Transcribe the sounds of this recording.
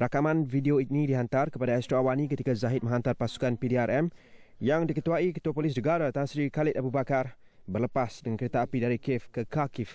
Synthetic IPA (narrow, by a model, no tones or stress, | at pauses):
ɾakamãnfideoinĩdiɦant̪arkəpadaɛst̪ɾoawanĩkət̪ikazaɦɪt̪̚mə̃ɦant̪arpasu̥kanpidiaɾʔɛmjaŋdikət̪uaikət̪uapolɪs̬nəɡaɾat̪anasɾikalɪt̪abubakar | bərləpasdəŋankəɾet̪aːpidaɾikɪfkəkakɪf